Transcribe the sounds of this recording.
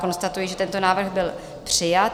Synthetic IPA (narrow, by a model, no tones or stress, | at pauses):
ko̞nst̪at̪ujɪʒɛt̪ɛnt̪o̞naːvr̩ɣbɪl | pr̝̥ɪjat̪